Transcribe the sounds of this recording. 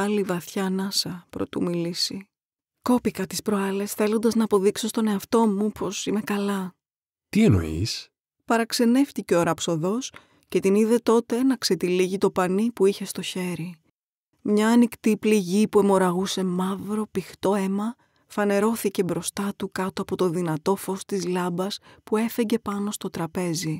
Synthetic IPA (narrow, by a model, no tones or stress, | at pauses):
ɐlivɐθçɐnɐsɐpɾo̞̰t̪ṵmilisi | ko̞pikɐt̪ispɾoɐle̞sθe̞lo̞nd̪ɐznɐːpoðikso̞st̪o̞ne̞ɐft̪o̞mupʰo̞sime̞kɐlɐ | t̪ie̞no̞̰ḭs | pɐɾɐkse̞ne̞ft̪iceoɾɐpso̞ðo̞s | ce̞t̪iniðe̞t̪o̞t̪e̞nɐkse̞t̪iliʝit̪o̞pɐnipuiçe̞st̪o̞çe̞ɾi | mɲɐːnikt̪ipliʝipue̞mo̞ɾɐɣuse̞mɐvɾo̞pixt̪o̞emɐ | fɐne̞ɾo̞θice̞bɾo̞st̪ɐt̪ukɐt̪oɐpo̞t̪o̞ðinɐt̪o̞fo̞st̪izlɐbɐspue̞fe̞ɲɟe̞pɐno̞st̪o̞t̪ɾɐpe̞zi